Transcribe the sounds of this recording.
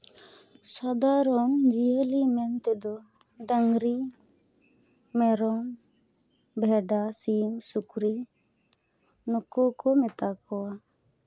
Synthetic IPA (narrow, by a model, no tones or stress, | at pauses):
sad̪aɾɔŋd͡ʒielimɛnt̪ɛd̪ɔ | ɖaŋɾi | mɛɾɔŋ | bʱɛɖasimsukɾi | nɔkɔkɔmɛt̪akɔwa